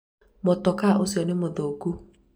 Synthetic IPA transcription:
mɔtɔkaʔosiɔnɪ̃mod̪ooku

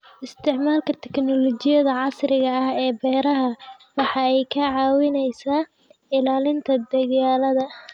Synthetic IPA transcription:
ʔɪst̪ʰɪʕmaːlkʰɐt̪ʰɛknɔlɔt͡ʃɪjɐðɐʕɑsrɪɣɐɐhɛːbɛːɾɐɦɐwɑħɑɛjkʰɐʕɑːwɪnɛjsaː | ɪlaːlɪnt̪ʰɐd̪ɐɣaːlɐðɐ

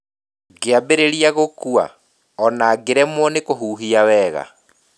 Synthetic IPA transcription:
ɡeabeɾeɾiaɣokua̰ | ɔnaɡeɾɛmwɔnekoɦuːɦiawɛːɣa̰

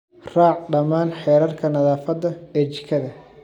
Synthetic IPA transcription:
raːʕɖɐmaːnħɛːɾɐrkʰɐnɐðaːfɐd̪ɐɛːt͡ʃɪ̥kʰɐðɐ

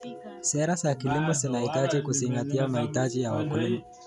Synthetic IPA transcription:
sɛɾasakilimɔsinahitad͡ʒikuziŋɡatiamahitaʄijawakulimɔ

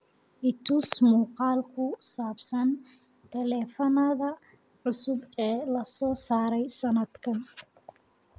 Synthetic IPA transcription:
ʔɪt̪ʰʊsmuːqɑːlkʰʊsaːbsɐn | t̪ʰɛlɛːfɐnɐðɐ | ʕʊsʊbɛːlɐsɔːsaːɾɛjsɐnɐd̪kʰɐn

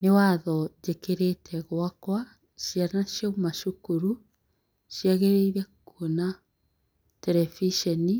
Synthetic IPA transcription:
newaðɔd͡ʒekeɾetʰɛɣwakwa | ɕjanaʃjaumaʃukuɾu | ʃiaɣeɾeiɾɛkuona | tɛɾɛfiʃɛni

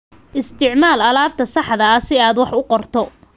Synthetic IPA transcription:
ʔɪst̪ʰɪʕmaːlɐlaːb̚t̪ʰɐsɑħðɐɐsɪaːd̪wɑħʊqɔrt̪ʰɔ

